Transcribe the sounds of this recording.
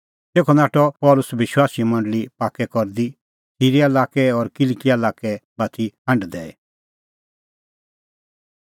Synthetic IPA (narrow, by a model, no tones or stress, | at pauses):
t̪eːkʰɔnaːʈɔpɔːlʊsʋɪʃwaːsimɐ̃ɳɖlipaːkɛkɔɾd̪i | siːɾiɐlaːkɛɔɾkɪlkijaɐlaːkɛbaːt̪ʰiɦɐ̃ɳɖd̪ɛːɛ